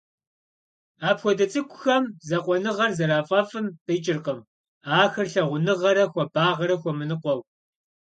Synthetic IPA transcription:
aːpxʷɔdɐt͡sʼɨkʷʰʼʊxɐmzɐqʷɔnɨʁɐrzɐɾaːfʼɐfɨmtʼejt͡ʃʼɪrqəm | aːxɐrɬɐʁʷʊnɨʁɐɾɐxʷɔbaːʁɐɾɐxʷɔmɨnɨqʷɔw

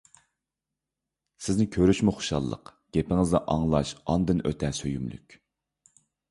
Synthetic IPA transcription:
sɪznɪkʲʰøɾyʃmuχʊ̥ʃɑ̰lˠːə̰qɡ̥ʲepɪŋɪzd̪ɑʔɑŋlˠɑʃɑnd̪ɨnʔø̰t̪ʰɛsøjymly̰kʲ

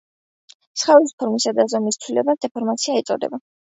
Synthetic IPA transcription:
sχaispʰɔɾmisad̪azɔmist̪sʰwilɛbasd̪ɛpʰɔɾmat̪sʰiait̪sʼɔ̰d̪ɛ̰ba

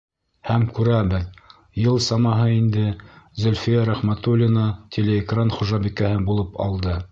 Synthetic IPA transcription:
hæmkʉɾæbɘð | jɤlˠsɑmɑɦɤind̪ɘzɵ̆lʲfijæɾæχmæt̪ulʲːinət̪ʲʰelʲeːkranχuʒɑbikæhɘbulˠɤpʰɑ̰lˠd̪ɤ

